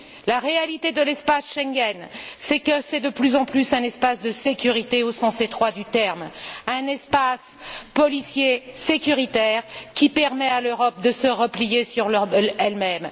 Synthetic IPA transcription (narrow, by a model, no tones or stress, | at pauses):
laʁealit̪ed̪əlɛspasʃɛ̃ŋɡɛnsɛkəsɛd̪əplyzɑ̃plysɛ̃nɛspasd̪əsekʲyʁit̪eosɑ̃set̪χwad̪yt̪ɛʁmɛ̃nɛspas | pɔlisjesekʲyʁit̪ɛːʁkʲipɛʁmɛaløʁɔp̚d̪əsəʁəplijesyʁllɛlmɛm